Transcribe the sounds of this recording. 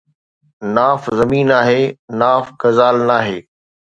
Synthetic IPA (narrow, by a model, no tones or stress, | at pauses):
naːfzɐmiːnaːɦeːnaːfɡɐzaːlnaːɦeː